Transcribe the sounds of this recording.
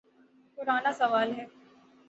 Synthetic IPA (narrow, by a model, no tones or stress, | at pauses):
pʊɾaːnasɐʋaːlɦɛː